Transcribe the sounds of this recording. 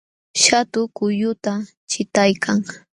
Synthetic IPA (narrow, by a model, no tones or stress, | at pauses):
ʃat̪ʊkʊjʊt̪a | t͡ʃɪt̪ajkʰaŋ